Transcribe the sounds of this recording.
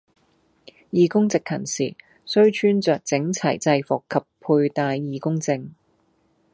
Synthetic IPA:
jiː˨˧kʊ˥ŋt͡sɪ˨k̚ʰːɐ˨˩nsiː˨˩ | sɵ˥ɥt͡ʃʰyː˥nt͡sœː˨k̚t͡sɪ˨˥ŋt͡sʰɐ˨˩jt͡sɐ˧jfɔː˨kʰːɐ˨pʰːuː˧jt̪aː˨˧jːiː˨˧kʊ˥ŋt͡sɪ˧ŋ

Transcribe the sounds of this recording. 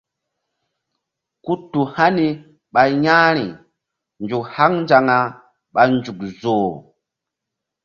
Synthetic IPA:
ku˦tːu˨ha˦ni˨ | ɓa˨jja˦ɾi˨ | nd͡ʒu˨kha˦ŋnd͡ʒa˨ŋa˨ | ɓa˨nd͡ʒu˨kzoː˨

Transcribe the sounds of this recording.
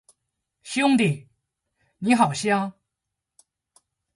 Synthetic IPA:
ɕjʊ˥ŋt̪i˥˩ | ni˧˥xɑ˨˩ʊɕjɑ˥ŋ

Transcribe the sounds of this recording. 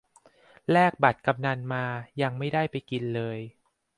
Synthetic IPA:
lɛː˥˩k̚ba˨˩t̪̚ka˧mna˧nmaː˧ja˧ŋma˥˩jda˥˩jpa˧jki˧nlɤː˧j

